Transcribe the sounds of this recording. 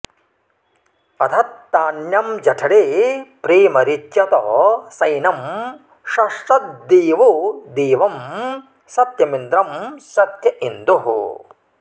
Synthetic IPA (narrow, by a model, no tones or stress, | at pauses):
ɐt̪ʰɐt̪ːaːnjɐmd͡ʒɐʈʰɐɽeːpɾiːmɐɾit͡ʃjɐt̪ɔːsɐjnɐm | ʃɐʂʈɐt̪̚d̪iːʋud̪iːʋɐm | sɐt̪jɐmind̪ɾɐmsɐt̪jɐʔind̪uɦṵ